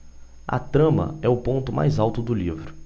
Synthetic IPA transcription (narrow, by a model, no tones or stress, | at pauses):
ɐ̰t̪ɾɐ̃mɐ̰ɛʊpõnt̪ʊmʔa̰jzawt̪ʊd̪ʊlivɾʊ